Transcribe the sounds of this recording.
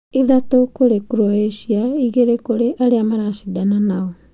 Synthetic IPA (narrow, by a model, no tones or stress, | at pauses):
iðatoukoɾekuɾoesiaiɡeɾekoɾeʔaɾeamaɾasidananao